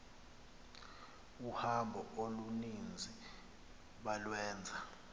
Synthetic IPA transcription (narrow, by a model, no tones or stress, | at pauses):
uhambʱɔolunind͡zʱi | ɓalwɛːnd͡zʱa